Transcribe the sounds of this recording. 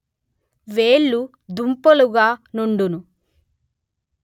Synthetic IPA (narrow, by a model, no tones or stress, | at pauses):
ʋeːɭːu | d̪umpɐluɡaːnuɳɖunu